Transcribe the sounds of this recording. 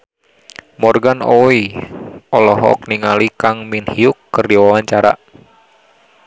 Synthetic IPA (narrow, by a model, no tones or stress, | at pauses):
mɔrɡanɔi | ɔlɔɦɔ̰k̚niŋalikaŋminhiukːɨrdiwawaɲt͡ʃaɾa̰